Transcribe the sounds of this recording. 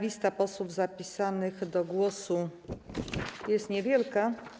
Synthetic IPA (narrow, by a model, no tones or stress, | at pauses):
vʲist̪apɔswuvzapʲisanɘɣd̪ɔɡwɔsu | jɛst̪ɲɛvʲjɛlka